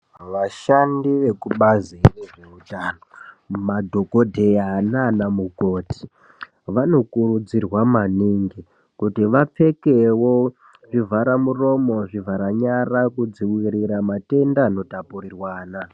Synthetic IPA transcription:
ʋaʃandiʋe̞kuɓazireʐe̞utaːno | madʱo̞kodʱeananamuko̞tʰi̥ | ʋano̞kurud͡zirwamaniːŋɡi | kutiʋap͡fe̞kewo | ʐivʱaɾamuro̞mo̞ʐivʱaɾaɲarakud͡ziwiriɾamate̞ndaːno̞tapurirwaːna

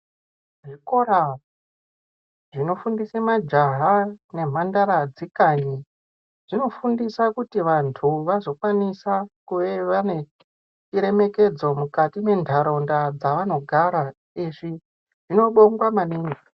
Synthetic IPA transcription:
ʐiko̞ɾa | ʐino̞fundisemad͡ʒaɦane̞m̤andaɾad͡zikaɲi | ʐ̥ino̞fundisakutiʋantʰuʋazo̞kwanisakuʋeʋane | t͡ʃiɾe̞me̞ke̞d͡zo̞mukatime̞ndʱaɾo̞ndad͡zaʋano̞ɡʱaɾa | iʐi | ʐ̥ino̞ɓoŋɡwamaniːŋɡi

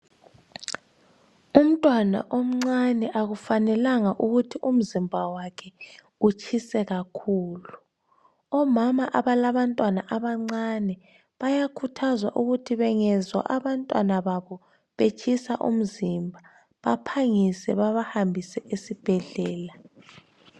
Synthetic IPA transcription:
um̩tʼwana̰ʔom̩ŋ͡ǀanɛʔaɣufanɛlaŋaʔuɣutʰiʔum̩zimbʱawakʰɛ | ut͡ʃʰisɛɣakʰuːlu | ɔmamaʔaβalaβantʼwanaʔaβaŋ͡ǀanɛ | βajakʰutʰazwa̰ʔuɣutʰiβɛŋɛzwa̰ʔaβantʼwanaβaβɔ | βet͡ʃʼʰisa̰ʔṵm̩zimbʱa | βapʰaŋisɛβaβahambʱisɛʔesib̥ʱɛɮɛːla

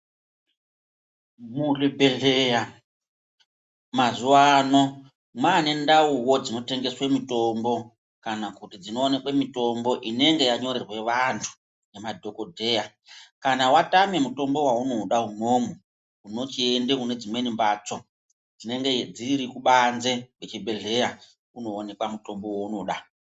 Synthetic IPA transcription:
mulibʱeɮeja | mazuwano̞ | mwane̞ndauwo̞d͡zino̞te̞ŋɡe̞swemito̞mbo̞ | kanakutid͡zino̞ːne̞kwemito̞mbo̞ʔine̞ŋɡe̞jaɲo̞ɾirwe̞ʋantʰu̥ | ne̞madʱo̞ko̞dʱe̞ja | kanawatame̞muto̞mbo̞wauno̞ɗaɦumo̞ːmo | uno̞t͡ʃie̞ndekune̞d͡zimwe̞nimbat͡so | d͡zine̞ŋɡed͡ziɾikuɓanze̞wet͡ʃibʱe̞ɮe̞ja | uno̞ːne̞kwamuto̞mbo̞wouno̞ɗa

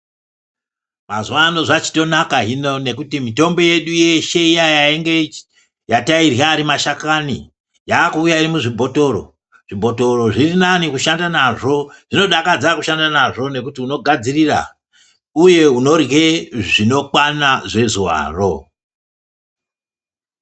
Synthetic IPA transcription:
mazuwano̞ʐat͡ʃi̥to̞nakaɦino̞ne̞kutimito̞mbo̞je̞ɗuje̞ʃe̞ijajaeŋɡe̞ | jatairjaːɾimaʃakanḭ | jaːkuːjaiɾimuʐibʱo̞to̞ro̞̰ | ʐ̥ibʱo̞to̞ro̞ʐirinanikuʃandanaʐo̞ʐ̥ino̞ɗakad͡zakuʃandanaʐo̞ne̞kutiuno̞ɡʱad͡zirira̰ | uje̞uno̞rɣe̞ʐino̞kwanaʐe̞zuwa̰ːro̞

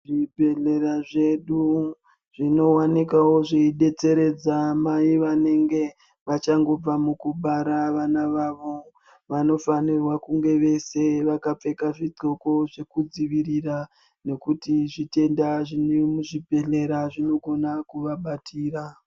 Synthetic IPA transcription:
ʐibʱe̞ɮe̞ɾaʐe̞ɗu | ʐ̥ino̞wanikawo̞ʐeiɗe̞t͡se̞ɾe̞d͡zamaiʋane̞ŋɡe̞ | ʋat͡ʃaŋɡo̞b͡vamukuɓaɾaʋanaʋaʋo̞ | ʋano̞fanirwakuŋɡe̞ʋe̞se̞ʋakap͡fe̞kaʐid͡zo̞ko̞ʐe̞kud͡ziʋiɾira | ne̞kutiʐite̞ndaʐinemuʐibʱe̞ɮe̞ɾaʐino̞ɡʱo̞nakuʋaɓatʰiːra

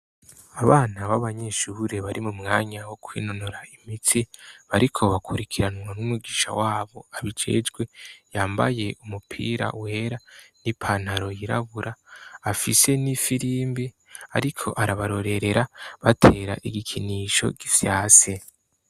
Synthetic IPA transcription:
aβaːnaβaβaɲe̞ʃuɾeβaɾimumŋaːɲawo̞kwḭːno̞noɾaimitʰiβaɾikʰo̞βakʰuɾikʰiɾanŋwanumuɡiːʃa̰waːβo̞aβid͡ʒe̞̰ːd͡ʒɡwe̞jaːmba̰je̞ʔumupʰḭːɾa̰we̞ːɾanipʰanaɾo̞jiɾa̰βuɾʔaːfise̞nifiɾiːmbi | a̰ɾikʰo̞̰ʔaɾaβaɾo̞ɾe̞ɾe̞ɾaβatʰe̞ːɾa̰ʔiɡikʰiniːʃo̞̰ɡifjaːse̞

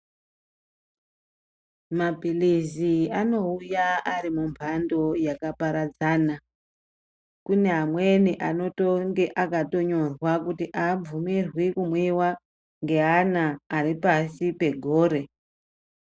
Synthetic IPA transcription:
mapilisiano̞ujaaɾimumbʱando̞jakapaɾad͡zaːna | kune̞ɦamwe̞niʔano̞toŋɡe̞ʔakato̞ɲo̞rwakutiʔaːb͡vumirwikumwiwa | ŋɡe̞ɦanaːripasipe̞ɡʱo̞ːɾe̞

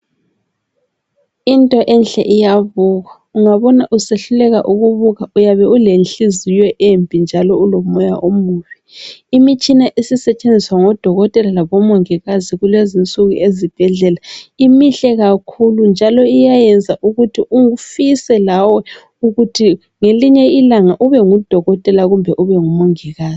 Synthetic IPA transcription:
intʼɔʔɛnɬʼɛ̰ʔijaβuɣa | uŋaβɔnaʔuseɬulɛɣaʔuɣuβuɣaujaβɛulenɬizijɛʔempʼind͡ʒʱalɔulomɔja̰ʔomuːβiimit͡ʃʼinaʔisisɛt͡ʃʼend͡zʱiswaŋɔd̥ʱɔɣɔtʼɛlalaβɔmoŋiɣaziɣulezint͡sʼuɣṵʔezib̥ʱɛɮɛlaimiɬɛɣakʰulund͡ʒʱalɔijajɛnd͡zʱaʔuɣutʰiʔuufisɛlawɔ | uɣutʰi | ŋeliɲɛilaŋaʔuβɛŋud̥ʱɔɣɔtʼɛlaɣumbʱɛʔuβɛŋumoŋiɣaːzi̥

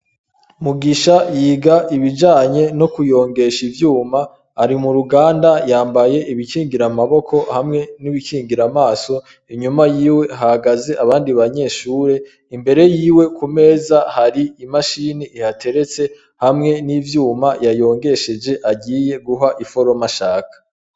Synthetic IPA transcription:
muɡiʃajiːɡaʔiβid͡ʒaːɲe̞no̞kujo̞ːŋɡe̞ʃivjuːmaː | ɾimuɾuɡaːndajaːmbaje̞ʔiβikiːŋɡiɾamaβo̞kʰo̞hamŋe̞niβikʰiːŋɡiɾamaːso̞ | iɲumajiːwe̞ɦahaɡaze̞ʔaβaːndiβaɲe̞ːʃuːɾe̞ | imbe̞ɾe̞jiːwe̞kume̞ːzahaɾiimaʃiːniihatʰe̞ɾe̞t͡se̞ | hamŋe̞nivjuːmajajo̞ːŋɡe̞ʃe̞d͡ʒe̞ʔaɟiːje̞ɡuɦaʔifo̞ɾo̞maʃaːkʰḁ

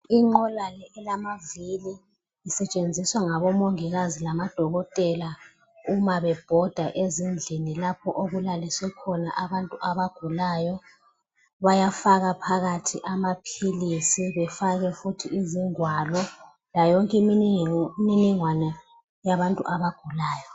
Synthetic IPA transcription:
iŋ͡ǃɔlalɛɛlamavili | isɛt͡ʃʼend͡zʱiswaŋaβɔmoŋiɣazilamad̥ʱɔɣɔtʼɛla | umaβɛb̥ʱɔd̥ʱaʔezind͡ɮʱinilapʰɔʔoɣulaliswɛkʰɔnaʔaβantʼuʔaβaɡ̥ʱulaːjɔ | βajafaɣapʰaɣatʰiʔamapʰilisiβɛfaɣɛfutʰiiziŋwalɔ | lajɔŋkʼim | miniŋwanɛ | jaβantʼṵʔaβaɡ̥ʱulaːjɔ

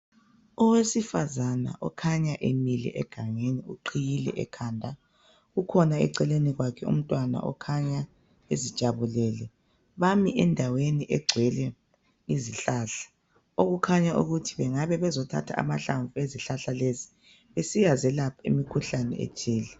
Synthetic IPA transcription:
ɔwesifazana̰ʔɔkʰaɲaʔemilḭʔɛɡ̥ʱaŋeniuǃʰijilɛ̰ʔɛ̰kʰaːndʱa | ɣukʰɔnaɛ̰ǀɛleniɣwakʰɛṵm̩tʼwana̰ʔɔ̰kʰaɲa | ezid̥t͡ʃʼaβulɛːlɛ | βamiʔɛndʱaweniʔɛɡ͡ǀʱwɛlɛ | iziɬaːɬḁ | oɣukʰaɲaʔuɣutʰiβɛŋaβɛβɛzɔtʰa̰tʰa̰a̰maɬaɱvueziɬaɬalezi | βesijazɛlapʰaḭmikʰuɬanɛ̰ḛt͡ʃʰʼiːlɛ

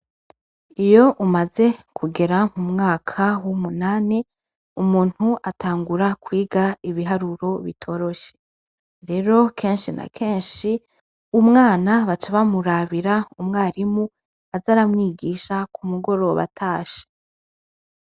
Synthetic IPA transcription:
ijo̞ʔumaze̞kʰuɡe̞ɾamumŋaːkʰawumunaːne | umuːn̥huʔatʰaːŋɡuɾakwiːɡaiβiɦaɾuɾo̞βḭtʰo̞ːɾo̞ʃe̥ | ɾe̞ɾo̞kʰe̞ːnʃina̰kʰe̞ːnʃi | umŋaːnaβat͡ʃaβamuɾaβiɾaumŋaːɾimu | azaɾamŋiːɡiʃakʰumuɡo̞ɾo̞βa̰tʰaːʃe̥

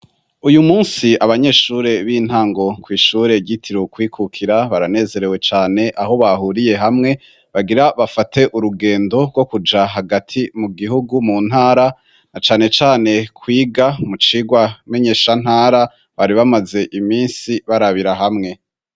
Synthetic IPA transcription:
ujumuːnsiaβaɲe̞ʃuːɾe̞βiːn̥haːŋɡo̞kwiːʃuːɾe̞ɟitʰiɾokwiːkʰukʰiɾaβaɾane̞ːze̞ɾe̞we̞t͡ʃaːne̞ʔaho̞βaɦuɾije̞ɦamŋe̞ | βaɡiɾaβafatʰe̞ʔuɾuɡe̞ːndo̞ɾɡwo̞kud͡ʒaɦaɡatʰimuɡihuɡumuːn̥haːɾa | nat͡ʃaːne̞t͡ʃaːne̞kʰwiːɡamut͡ʃiːɡwame̞ɲe̞ːʃan̥haːɾa | βaɾiβamaze̞ʔimiːnsiβaɾaβiɾaɦamŋe̞

